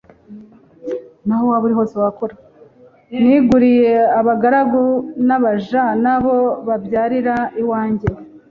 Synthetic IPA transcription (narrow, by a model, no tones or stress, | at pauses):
nahowaːβuɾiɦo̞ːsewakoɾa | niɡuɾije̞aβaɡaɾaɡunaβaʒanaβo̞βabɟaːɾiɾaiwaːɲɟe̞